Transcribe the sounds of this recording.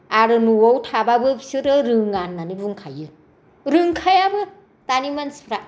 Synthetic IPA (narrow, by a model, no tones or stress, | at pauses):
aɾɯnuwawtʰababɯbi̥sɯɾɯɾɯŋanːanibuŋkʰajɯ | ɾɯŋkʰajabɯ | tanimansi̥pʰɾa